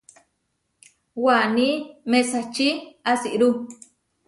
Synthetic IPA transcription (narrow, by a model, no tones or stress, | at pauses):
wanimẽsat͡ʃiasiʔɾu